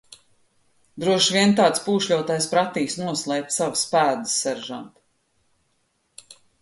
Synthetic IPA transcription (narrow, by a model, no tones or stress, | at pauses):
d̪ɾuɔʃvʲiɛnt̪ɑːt̪spuːʃlʲuɔt̪ajspɾat̪iːsnuɔslˠɛp̚t̪savspæːd̪ɨsːɛɾʒa̰nt̪